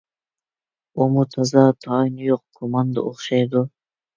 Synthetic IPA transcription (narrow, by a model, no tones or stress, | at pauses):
omut̪ʰɑzɑt̪ʰɑinjoqkʰomɑnd̪a̰ʔoχʃɑjd̪ʊ